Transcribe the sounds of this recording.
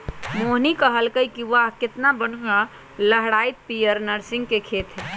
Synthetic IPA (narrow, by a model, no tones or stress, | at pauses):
moɦnikəɦəlkəjkiʋakɪt̪nabənkə | ləɦɽait̪̚pijəɾnəɾsɪ̃ŋɡkekʰet̪ɦɛ